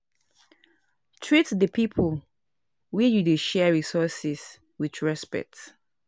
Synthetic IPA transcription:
tʰɹitdəpʰipʰəl | wɛjudeʃɛɹisɔsɪs | wiðɹɛspɛ̰k̚t

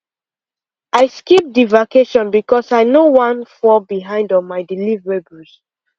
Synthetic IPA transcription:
aɪskip̚divakeʃɔ̃nbikɔsaɪnowãnfɔbiɦãɪ̃ndɔmaɪdilivɹebus

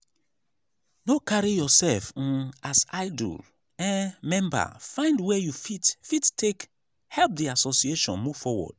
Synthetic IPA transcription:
nokaɹijɔsɛlfasaɪdṵl | ɛ̃nmɛ̃mba̰fãɪ̃ndwɛjufitfittʰek | hɛlp̚diasosieʃɔ̃nmuvfɔwɔ̰d̥

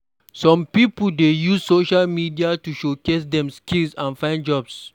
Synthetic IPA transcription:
sɔ̃mpipədejussoʃalmidiatuʃokes̬dɛ̃mskilsãnfãj̃nd͡ʒɔbs

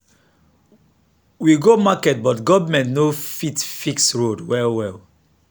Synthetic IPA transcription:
wiɡomakɛt̚bɔtɡɔvmɛ̃ntnofitfiksɹodwɛlwɛl

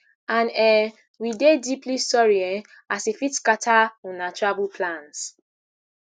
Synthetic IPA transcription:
ãnɛ | widediplisɔɹiɛ | asefitkatʰaunatɹabupʰlãns

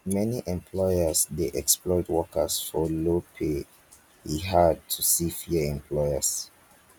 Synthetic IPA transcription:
mɛniʔɛ̃mpʰlɔɪjəsdeʔɛksplɔɪtwɔkʰəsfɔlopʰe | hiɦad̚tʰusifiəɛ̃mpʰlɔɪəs

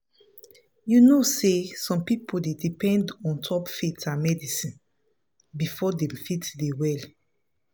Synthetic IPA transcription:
junosesɔ̃mpipʰodedipʰɛ̃ndɔ̃ntʰɔpfitãnmɛdisĩn | bifɔdɛ̃mfitdewɛl

